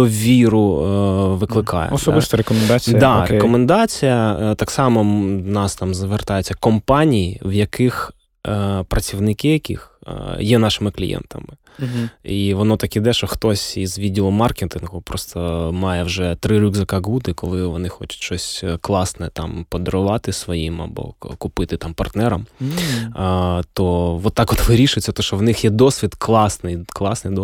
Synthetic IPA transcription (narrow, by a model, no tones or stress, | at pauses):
d̪ɔʋʲiɾʊ | ʋɪklˠɪkɑ̰jɛ̰ɔsɔbɪst̪ɐɾekɔmɛnd̪at͡sʲid̪ɑɾekɔmend̪ɑt͡sʲijɐt̪ɑksɑmɔnɑst̪ɑmzʋert̪ɑjʊt͡sʲːɐkɔmpɑnʲijiwjɐkɪx | pɾɐt͡sʲiwnɪkɪjɐkɪ̰xjɛnɑʃɪmɪklʲḭjɛ̰nt̪ɐ̰mɪ | iʋɔnɔt̪ɐkid̪ɛʃɔxt̪ɔsʲizʋʲidʲilˠɔmɑrkʲet̪ɪnɣʊpɾɔst̪ɐmɑjɛwʒɛt̪ɾɪɾʲuɡzɐkɐɡud̪ɪkɔlˠɪʋɔnɪxɔt͡ʃʊ̥tʲʃt͡ʃɔsʲklˠɑsnɛt̪ɑmpɔd̪ɔɾʊʋɑt̪ɪsʋɔjimɐ̰bɔ̰kʊpɪt̪ɪt̪ɑmpɐrt̪nɛɾɐm | t̪ɔʋɔt̪ːɑkɔt̪ʋɪɾʲiʃʊjt͡sʲːɐt̪ɔʃt͡ʃɔwnɪxjɛd̪ɔsʲʋʲid̪klˠɑsnɪjklˠɑsnɪjd̪